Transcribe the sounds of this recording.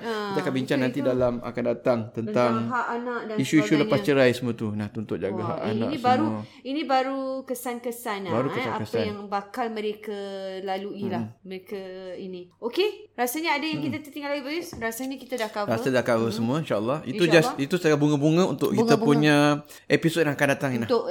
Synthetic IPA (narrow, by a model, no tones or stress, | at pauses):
əid̪akaʔbiɲt͡ʃaŋnãnt̪idalama̰kandat̪aŋt̪ənt̪aŋɦaʔanaʔdaiʃuiʃuləpast͡ʃəɾajsəmũət̪unaht̪unt̪ʊʔ̚d͡ʒaɡaɦa̰ʔa̰na̰knĩbaɾu | inĩbaɾukəsankəsanbaɾukəsaakəsajaŋbakalmə̃ɾekalaluilaməɾekainiokeɾasaɲəadajaŋkit̪at̪ət̪iŋɡalaɡibəisɾasaɲakit̪adakawɾasadakawəsəmũə̃inʃaʔəlˠːɑhid͡ʒasit̪usəɡabuŋəbuŋə̃unt̪ʊ̰ʔkiŋəpuɲa | episod̚jaŋakandat̪aŋinlat̪ʊʔ